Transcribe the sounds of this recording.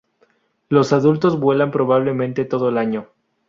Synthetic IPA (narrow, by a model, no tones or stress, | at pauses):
lo̞saðult̪o̞zβwe̞lampɾo̞β̞aβ̞le̞mẽnt̪e̞t̪o̞ðoelaɲo